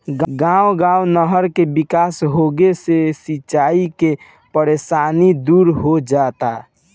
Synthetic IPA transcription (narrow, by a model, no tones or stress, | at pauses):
ɡɡãwɡãwnəɦəɾkebikaːsɦoɡesesit͡ʃːaːike | pəɾeːsaːnid̪uːɾɦod͡ʒat̪a